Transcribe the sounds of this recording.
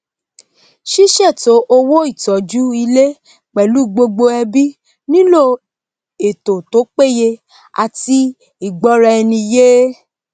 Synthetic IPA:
ʃi˦ʃɛ˦˨to˨˦ʔo˧wo˦i˦˨tɔ˨d͡ʒu˦i˧le˦ | k͡pɛ˨lu˨˦ɡ͡bo˧ɡ͡bo˧ɛ˧bi˦ | nĩ˦lo˦˨ | e˨to˨to˨˦k͡pe˦˨je˧ | a̰˨ti˧ | i˨ɡ͡bɔ˨˦ɾɛ˧ɛ˧nĩ˧je˦

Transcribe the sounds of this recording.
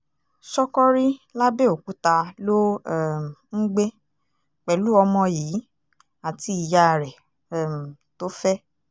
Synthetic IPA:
sɔ˦kɔ˦ɾi˦la˦be˦o˨ku˨˦ta˧lo˦ɛ˦˨m˨ŋ̩˦ɡ͡be˦ | k͡pɛ˨lu˨˦ɔ˧mɔ̃˧jiː˨˦ | a˨ti˧˦i˨ja˧˨ɾɛ˨ | ɛ˨m˨to˦fɛ˦

